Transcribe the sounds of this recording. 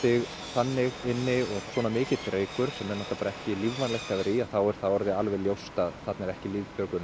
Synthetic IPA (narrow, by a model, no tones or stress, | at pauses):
ɪɣ | θanːɪɣɪnːɪɔɣswɔːnamɪːcɪt̪ɾeːjkʏɾ̥sɛmːɛɾnɔht̪apaːɾaɛhcɪlivvanlejxt̪havɪɾiaθawɛɾ̥θawɔɾðɪalvɛljowst̪aðθat̪nɛɾɛhcɪliːvpœːkʏn